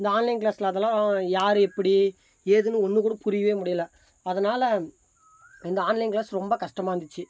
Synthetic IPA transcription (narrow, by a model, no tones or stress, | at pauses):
ɪnd̪ɐaːnlɐɪnklaːslɐɐðɛlːãjaːɾɯɛpːɐɽi | eːðɯnɯɔnːɯkuːɽɐpʊɾɪjɐʋeːmʊɽɪjɐlɐ | ɐðɐnaːlɐ | ɪnd̪ɐaːnlɐɪnklaːsɾɔmbɐkɐʂʈɐmaːɾɐnd̪ɪt͡ʃːɯ